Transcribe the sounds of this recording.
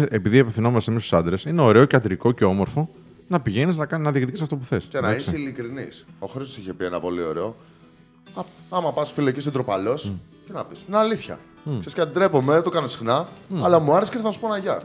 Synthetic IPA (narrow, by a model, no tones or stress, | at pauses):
ʔepiðiepefθino̞mɐst̪emisu̥sɐnd̪ɾe̞sineo̞ɾe̞o̞ceɐt̪ɾiko̞ceo̞mo̞ɾfo̞ | nɐpiʝe̞niznɐkɐnɐðiekt̪icisft̪o̞puθe̞scenɐisilikɾinḭso̞xɾist̪osiçe̞pienɐpo̞lio̞̰ɾeo̞ | ɐɐmɐpɐsfilocisod̪ɾopalo̞s | cenɐpisnːliθçɐ̰ | sesceɐd̪id̪ɾe̞po̞met̪okɐnosi̥xnɐːlɐmuɐɾeseiɾθɐnɐsu̥ponɐʝɐ